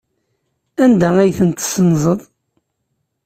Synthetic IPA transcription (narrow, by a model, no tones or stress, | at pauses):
ænd̪ææjθənt̪sənːzˤəðˤ